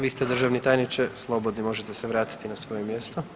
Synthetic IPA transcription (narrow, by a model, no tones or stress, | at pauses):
ʋiːst̪ed̪r̩ʒaʋnit̪aːjnit͡ʃeslˠo̞bod̪nimo̞ʒet̪eseʋɾaːt̪i̥t̪inasʋo̞jemjest̪o